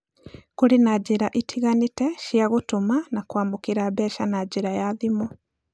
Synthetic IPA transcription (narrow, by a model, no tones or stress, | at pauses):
kuɾinaɟiɾaʔitʰiɣanitɛʃjaɣutumanakwaːmokiɾaβɛːʃanaɟiɾajaðimo